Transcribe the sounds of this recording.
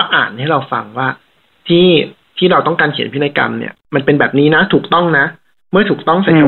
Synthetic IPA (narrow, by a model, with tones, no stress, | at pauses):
ʔa̰ː˨˩nt̪a˥˩ɾa˧wfa˧ŋwaː˥˩ | t̪ʰiː˥˩ | t̪ʰiː˥˩ɾa˧wt̪ɔ˥˩ŋkaː˧nkʰi˨˩˦npʰi˥na˧˥ka̰˧mnḭ˥˩ɐma˧npe˧nbɛː˨˩p̚niː˦˥na˦˥t̪ʰuː˨˩k̚t̪ɔ˥˩ŋna˦˥ | mɯ˥˩ɐt̪ʰuː˨˩k̚t̪ɔ˥˩ŋsa˨˩˦